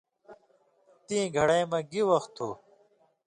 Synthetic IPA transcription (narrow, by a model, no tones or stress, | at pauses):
t̪ĩːɡʱɐɽɐjmɐɡiwɐxt̪ʰːoː